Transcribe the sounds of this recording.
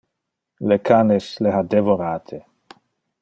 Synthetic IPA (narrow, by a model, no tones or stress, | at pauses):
lekʰaːnesleɦad̪evoɾaːt̪ʰe